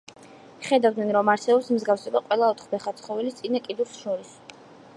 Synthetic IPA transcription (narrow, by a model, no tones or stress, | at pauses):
χɛd̪avd̪nɛnɾɔmaɾsɛbɔpsmzɡafsɛbaqʼwɛlˠaɔt̪χbɛχat̪sʰχɔvɛlist̪sʼinakʼid̪usʃɔɾis